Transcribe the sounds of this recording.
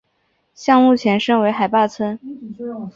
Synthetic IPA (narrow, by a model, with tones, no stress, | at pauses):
ɕjɑ˥˧ŋmu˥˩t͡ɕʰjɛ˧˥nʂɤ˥ŋwe˧˥ɪxa˨˩ɪpa˥˩t͡sʰwə˥n